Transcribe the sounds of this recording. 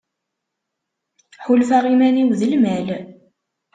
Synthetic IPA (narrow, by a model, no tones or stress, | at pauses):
ħʊlfæʁimæniwðəlmæl